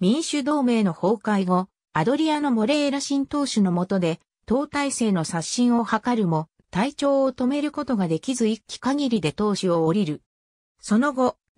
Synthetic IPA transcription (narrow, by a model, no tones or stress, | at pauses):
mʲĩɰ̃ɕɨd̪o̞ːme̞ːno̞ho̞ːkaiɡo̞ | ad̪o̞ɾʲiano̞mo̞ɾe̞ːɾaɕĩnt̪o̞ːɕɨno̞mo̞t̪o̞d̪e̞ | t̪o̞ːt̪aise̞ːno̞saɕːĩɰ̃o̞hakaɾɯ̟mo̞ | t̪ait͡ɕo̞ːt̪o̞me̞ɾɯ̟ko̞t̪o̞ɡad̪e̞kʲizɨikʲːi̥kaɡʲiɾʲid̪e̞t̪o̞ːɕio̞ːɾʲiɾɯ̟ | so̞no̞ɡo̞